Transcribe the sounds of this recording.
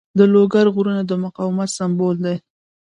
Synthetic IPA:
d̪əloɡaɾɣuɾənad̪əmʊqɑwɪmat̪sambold̪aj

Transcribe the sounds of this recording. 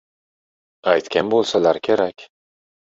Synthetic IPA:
ajt̪kʲanbolˠsalaɾkʲʰe̞ɾakʲ

